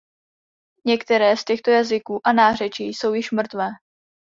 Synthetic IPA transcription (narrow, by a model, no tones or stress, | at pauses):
ɲɛkt̪ɛɾɛːscɛxt̪o̞jazɪkuːʔanaːr̝ɛt͡ʃiːjso̞wjɪʃmr̩t̪vɛː